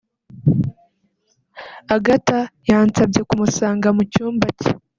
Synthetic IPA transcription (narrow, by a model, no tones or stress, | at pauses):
aɡatajaːnt͡sab̚ɟe̞kumusaːŋɡamucuːmbace̥